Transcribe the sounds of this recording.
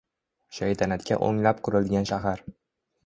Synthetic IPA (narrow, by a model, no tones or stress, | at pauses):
ʃajt̪ʰanat̪kʲʰa̰ʔo̰ŋlapqʰʊɾɪlˠd̪ɪɡʲanʃaɦaɾ